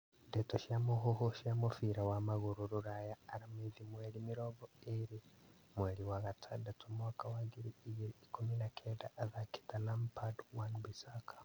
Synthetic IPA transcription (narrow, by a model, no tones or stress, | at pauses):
detoʃiamoɦoɦoʃamofiɾawamaɣuɾuɾuɾajaːɾameðimwelimiɾoβoeɾi | mweɾiwaɣatʰadatumwakawaɡiɾiːɡiɾiːkuminakʰedaʔːðaki̥talampadu̥wanuβisakḁ